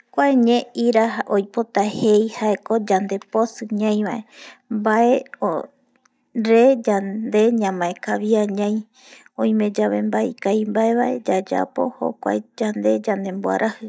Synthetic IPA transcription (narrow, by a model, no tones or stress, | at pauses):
kʷaeɲẽiɾaaʔojpo̞t̪ahejhaeko̞d͡ʒand̪e̞posɨɲãj̃βaʔe̞mbaʔeo | ɾe̞d͡ʒad̪e̞ɲãmãekaβiaɲãj̃ | õj̃mẽ̞d͡ʒaβe̞mbaḭkajmbae̞βaʔe̞d͡ʒad͡ʒa̰po̞̰ho̰kʷa̰ed͡ʒand̪e̞d͡ʒãnd̪e̞mboa̰ɾʔahɨ